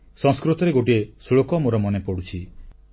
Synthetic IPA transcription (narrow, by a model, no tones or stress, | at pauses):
sɔŋskɾut̪ɔɾeɡoʈiesuɭokɔmoɾɔmɔnepɔɽut͡ʃʰi